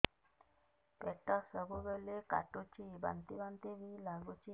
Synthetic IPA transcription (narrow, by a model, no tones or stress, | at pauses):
pɛtɔsɔbobeleka̰tot͡ʃiba̰nt̪ibant̪eβilaɡot͡ʃi